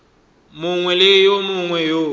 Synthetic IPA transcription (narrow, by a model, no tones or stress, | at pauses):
mʊŋwɛlejomʊŋwɛjo